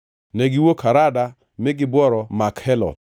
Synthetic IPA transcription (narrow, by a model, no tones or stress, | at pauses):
nɛɡɪwokʰaɾada | mɪɡɪbwɔɾɔmakhɛlɔ̰d̪̚